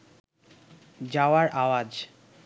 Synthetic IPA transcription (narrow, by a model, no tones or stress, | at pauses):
d͡ʑaoaɾʔawad͡ʑ